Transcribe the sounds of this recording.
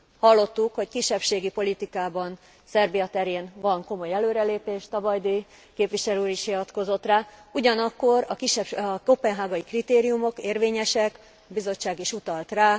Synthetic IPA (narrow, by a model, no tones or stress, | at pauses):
hɒlːo̞t̪ːukho̞ckiʃːɛpʃeːɡipo̞lit̪ikaːbɒn | sɛrbijɒt̪ɛɾeːnvɒŋko̞mo̞jɛløːɾɛleːpeːʃt̪ɒbɒjd̪eː | keːpʋiʃɛløuːɾiʃhiʋɒt̪ko̞zo̞t̪raːuɟɒnɒkːo̞ɾɒkiʃɛopɛnɦaːɡɒjikrit̪eːɾijumo̞keːrveːɲɛʃɛk | ɒbizo̞t͡ʃːaːɡiʃut̪ɒlt̪raː